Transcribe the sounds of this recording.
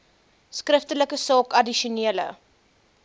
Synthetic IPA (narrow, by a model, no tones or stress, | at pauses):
skrəftələkəsɑːkɐdiʃuniələ̰